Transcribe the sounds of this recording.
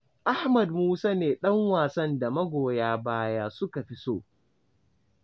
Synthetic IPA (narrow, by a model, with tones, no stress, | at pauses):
ʔa˦hmɐ˨d̚muː˦saː˦neː˨ɗɐ˦ŋwaː˨sɐ˦nda˨mɐ˦ɡʷoː˨jaː˦baː˦jaː˦sʊ˦ka˨ɸi˦soː˦